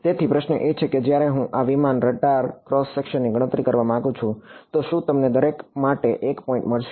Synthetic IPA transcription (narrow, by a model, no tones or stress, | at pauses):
t̪et̪ʰipɾəʃnəʔet͡ʃʰeked͡ʒjaɾeɦũʔaʋimanɾəʈaɾkɾɔsːekʃənːiɡʱəɽ̃ət̪ɾikəɾʋamããɡũt͡ʃʰũt̪oʃũt̪əmned̪əɾekmaʈeʔekpɔĩɳʈməɭʃ